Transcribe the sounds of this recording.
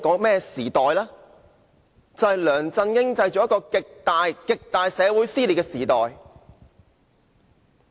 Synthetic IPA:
kɔː˨˥ŋmɛː˥˩siː˨t̪ɔː˨jlaː˥ | t͡sɐ˨ɐ˨˩jlœː˨˩ŋt͡sɐ˧nkɪ˥ŋt͡sɐ˧jt͡ʃɔː˨˥jɐ˥kɔː˧kɪ˨k̚t̪aː˨˧jkɪ˨k̚t̪aː˨jsɛː˨˧wuː˨˥jsiː˥liː˨t̚kɛː˧siː˨˩t̪ɔː˨˩j

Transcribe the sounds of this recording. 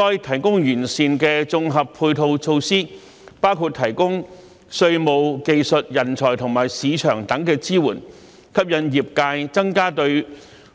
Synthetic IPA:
ɔː˥jt̪ʰɐ˨˩jkʊ˥ŋjyː˨˩nsiː˨nkɛː˧t͡sʊ˧ŋɦɐ˨pʰːuː˧jt̪ʰo˧wt͡sʰo˧wsiː˥ | paː˥wkʰuː˨˧t̪ʰɐ˨˩jkʊ˥ŋ | sɵ˧ɥmo˨˧wke˧jsɵ˨t̚jɐ˨˩nt͡ʃʰɔː˨˩jt̪ʰʊ˨˩ŋmaː˨˩jsiː˨˧t͡ʃʰœː˨˩ŋt̪ɐ˨˥ŋkɛː˧t͡siː˥wuː˨˩n | kʰɐ˥p̚jɐ˧njiː˨p̚kaː˧jt͡sɐ˥ŋkaː˥t̪ɵ˧ɥ

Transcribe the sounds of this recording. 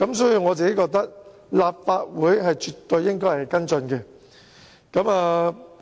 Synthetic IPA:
kɐ˨˥msɔː˨˥jiː˧wŋɔː˨˧t͡siː˨ke˨˥jkɔː˧k̚t̪ɐ˥k̚ | laː˨p̚faː˧t̚wuː˨˥jɦɐ˨jt͡ʃyː˨t̪ːɵ˧ɥːɪ˥ŋkɔː˥jhɐ˨˩jkɐ˥nt͡sɵ˧nkɛ˧ | kɐ˨˥maː˨˧

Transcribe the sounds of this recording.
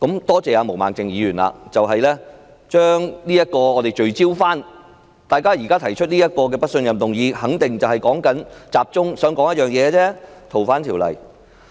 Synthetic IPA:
kɐ˨˥mt̪ɔː˥t͡sɛː˨aː˧mo˨˩wma̰ː˨˩ŋt͡sɪ˨ŋjiː˨˧jyː˨˩nla̰˧t͡sɐ˨wɦɐ˨jlɛː˥ | t͡ʃœː˥ŋniː˥jɐ˥t̚kɔː˧ɔː˨˧t̪e˨jt͡ʃɵ˨ɥt͡siː˥wfaː˥n | t̪aː˨˩jkaː˥jiː˨˩kaː˥t̪ʰɐ˨˩jt͡ʃʰɵ˥t̚niː˥jɐ˥t̚kɔː˧k̬ɛː˧pɐ˥t̚sɵ˧njɐ˨mt̪ʊ˨ŋjiː˨˧hɐ˨˥ŋt̪ɪ˨ŋt͡sɐ˨whɐ˨jkɔː˨˥ŋkɐ˨˥nt͡saː˨p̚t͡sʊ˥ŋsœː˨˥ŋkɔː˨˥ŋjɐ˥t̚jœː˨˩ŋjɛː˨˧t͡sɛː˥t̪ʰo˨˩wfaː˨˥nt̪ʰiː˨˩wlɐ̰˨˩j

